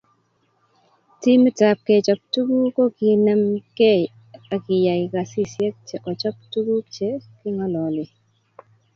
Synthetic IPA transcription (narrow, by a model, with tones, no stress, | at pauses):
ti˦mi˦ta˨p̚kɛ˨t͡ʃɔ˨p̚tu˦ɡu˦ko˦ki˨nɛ˨mkɛ˦˨ | a˨kɪ˨ja˨jka˨si˦sje˦k̚t͡ʃe˨ʔɔ˨t͡ʃɔ˦p̚tu˦ɡu˦t͡ʃe˦kɪ˦ŋɔ˦lɔ˨lɪ˨